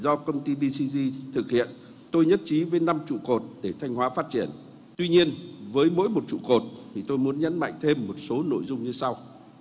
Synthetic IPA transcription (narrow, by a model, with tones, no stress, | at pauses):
zɔ˧kə˧wŋ͡mt̪i˧ɓi˧si˧zi˧t̪ʰɨ˨˩k̚hḭ˧˨ən | t̪o˧jɲə˦˥t̚t͡ɕi˨˦vəː˨˦jna˧mt͡ɕṵ˧˨ko˨˩t̚ɗe˧˩t̪ʰa˧jŋ̟hwaː˨˦faː˦˥t̚t͡ɕi˧˩ən | t̪wi˧ɲi˧ənvəː˨˦jmo̰˧˥jmo˨˩t̚t͡ɕṵ˧˨ko˨˩t̚t̪ʰi˨˩t̪o˧jmu˨˦ənɲə̰˧˥nma̰˧˨jŋ̟t̪ʰe˧mːo˨˩t̚so˨˦no̰˧˨jzʊ˧ŋ͡mɲɨ˧sa˧w